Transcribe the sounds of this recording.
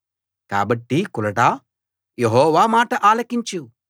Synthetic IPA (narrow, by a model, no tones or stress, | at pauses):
ka̰ːbɐʈːikulɐʈaː | jeɦɔːʋaːmaːʈɐʔaːlɐkiɲt͡ʃu